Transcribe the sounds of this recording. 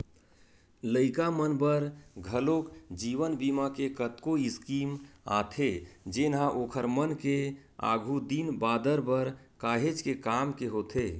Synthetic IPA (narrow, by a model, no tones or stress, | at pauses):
ləɪkamənbəɾɡʱəlokd͡ʒiʋənbimakekət̪koɪskima̰t̪ʰed͡ʒenɦãʔoːkʰəɾmənke | a̰ɡʱud̪inbaːd̪əɾbəɾkaːɦed͡ʒkekamkeɦot̪ʰe